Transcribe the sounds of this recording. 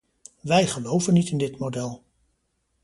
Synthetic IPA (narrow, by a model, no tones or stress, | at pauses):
ʋɛjχəlowvənːitɪndɪtmodɛlˠ